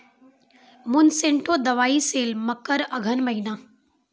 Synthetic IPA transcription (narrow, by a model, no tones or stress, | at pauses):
mʊnsẽɳʈʰod̪ɐʋaːiseːlməkːəɾɐɡʱənmɐɦinaː